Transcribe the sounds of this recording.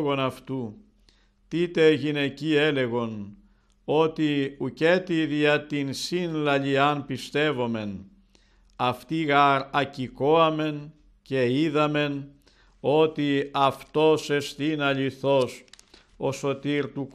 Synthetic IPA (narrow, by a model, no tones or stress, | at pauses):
ɣo̞nɐft̪u | t̪it̪e̞ʝine̞ciele̞ɣo̞n | o̞t̪iuce̞t̪iðiɐt̪insinlɐʎiɐnpist̪e̞vo̞me̞n | ɐft̪iɣɐɾɐcikoɐme̞n | ce̞iðɐme̞n | o̞t̪iɐft̪o̞se̞st̪inɐʎiθo̞s | o̞so̞t̪iɾt̪uk